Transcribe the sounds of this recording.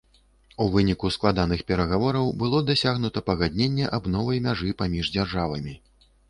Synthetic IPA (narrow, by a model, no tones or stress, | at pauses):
uvɨnʲikusklˠad̪anɨxpʲɛɾɐɣavɔɾɐwbɨlˠɔd̪asʲaɣnut̪ɐpɐɣad̪ʲnʲenʲːɛʔabnɔvɐjmʲaʐɨpamʲiʐd͡zʲarʐavɐmʲi